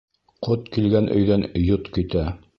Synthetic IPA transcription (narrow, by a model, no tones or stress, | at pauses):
qot̪kilɡænʔɵ̰̆jðænjot̪kɵ̆t̪æ